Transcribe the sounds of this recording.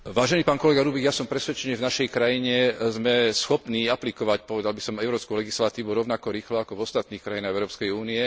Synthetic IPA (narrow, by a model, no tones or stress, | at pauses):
ʋaːʒɛniːpaːnkɔlɛɡaɾuːbiɣjasɔmpɾɛsʋɛt͡ʃɛniʒvnaʃɛjkɾajiɲɛzmɛsxɔpniːaplikɔʋacpɔʋɛd̪albisɔmɛʊɾɔːpskulɛɡislat̪iːʋuɾɔʊnakɔɾiːxlɔakɔvɔst̪at̪niːxkɾajinaɣɛʊɾɔːpskɛjuːniɛ